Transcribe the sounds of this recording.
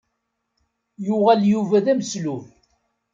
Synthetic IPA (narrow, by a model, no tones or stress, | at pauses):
jʊʁæljuvæðæmsluθ